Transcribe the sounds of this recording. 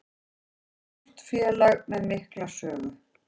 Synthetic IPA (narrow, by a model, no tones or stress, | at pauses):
ɔ̥t̪fjɛːlaɣmɛðmɪhklasœːɣʏ